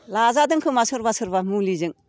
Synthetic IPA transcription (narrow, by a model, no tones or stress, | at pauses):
lazadɯŋkʰɯmasɯɾbasɯɾbamulizɯŋ